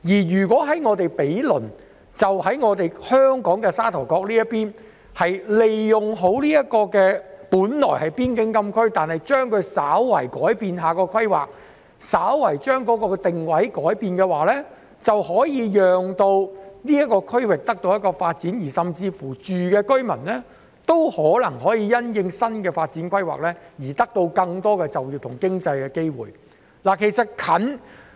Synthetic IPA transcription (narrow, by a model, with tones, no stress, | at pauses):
jiː˨˩ɥyː˨˩kwɔː˨˥ɦɐ˨˦˥jŋɔː˨˧t̪e˨jpe˨˥jlɵ˨˩n | t͡sɐ˨whɐ˨˥jŋɔː˨˧t̪e˨jhœː˥ŋkɔː˨˥ŋkɛː˧saː˥t̪ʰɐ˨˩wkɔː˧k̚liː˥jɐ˥piː˥n | hɐ˨jle˨jːʊ˨˩ŋɦo˨˥wliː˥jɐ˥t̚kɔː˧kɛː˧puː˨˥nlɔ̰˨˩jhɐ˨˩jpiː˥nkɪ˥ŋkɐ˥mkʰɵ˥ɥt̪aː˨nhɐ˨jt͡ʃœː˥ŋkʰɵ˨˧ɥsaː˨˥wːɐ̰˨˩jkɔː˨˥jpiː˧nɦaː˨kɔː˧kʰɐ˥jwa̰ː˨k̚ | saː˨˥wwɐ˨˩jt͡ʃœː˥ŋkɔː˨˥kɔː˧t̪ɪ˨ŋwɐ˨˥jkɔː˨˥jpiː˨˧nkɛː˧waː˨lɛː˥ | t͡sɐ˨whɔː˨˥jiː˨˧jœː˨ŋt̪o˧wniː˥ɐ˥kɔː˧kʰɵ˥ɥwɪ˨k̚t̪ɐ˥k̚t̪o˧wjtkɔː˧faː˧t̚t͡siː˨˥njiː˨˩sɐ˨mt͡siː˧fuː˨˩t͡ʃyː˨kɛː˧kɵ˥ɥmɐ˨˩nlɛː˥ | t̪o˥whɔː˨˥lɐ˨˩ŋɦɔː˨˥jiː˧jɐ˥njɪ˨ŋsɐ˥nkɛː˧faː˧t̚t͡siː˨˥nkʰʷwɐ˥jwa̰ː˨k̚lɛː˥jiː˨˩t̪ɐ˥k̚t̪o˧wkɐ˧ŋt̪ɔː˥kɛː˧t͡sɐ˨wjiː˧wt̪ʰʊ˨˩ŋkɪ˥ŋt͡sɐ˧jkɛː˧ke˥jwṵː˨˩j | laː˨˩kʰe˨˩jsɐ˨t̚kʰɐ˨˥n